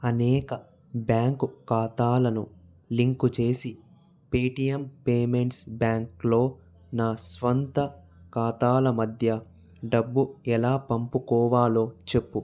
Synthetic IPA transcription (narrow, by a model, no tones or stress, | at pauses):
ɐnɛːkɐ | bjaːŋkukaːt̪aːlɐnu | liŋkut͡ʃe̞ːsi | peːʈijɐmpeːme̞ɳʈsbjaːŋklo̞ː | naːsʋɐnt̪ɐ | kaːt̪aːlɐmɐd̪ʱjɐ | ɖɐbːuɛlaːpɐmpukɔːʋaːlo̞ːt͡ʃe̞pːu